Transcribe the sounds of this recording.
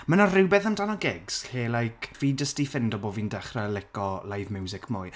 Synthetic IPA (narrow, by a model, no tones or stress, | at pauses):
mənarɪwbɛθəmdanɔɡɛɡz̥ɬeːlajkʰviːdəstifɪndɔboːviːndaχralɪkɔlˠajvmɛwzɪkʰmʊj